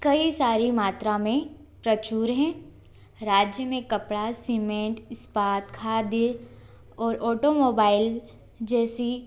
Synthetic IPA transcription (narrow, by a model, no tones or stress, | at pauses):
kɐisaːɾimaːt̪ɾamẽ | pɾɐt͡ʃuːɾɦɛ̃ː | ɾaːd͡ʒjəmẽkɐpɽasimẽːʈɪspaːt̪kʰaːd̪ə | ɔːɾʔɔːʈomoːbaːɪl | d͡ʒɛːsi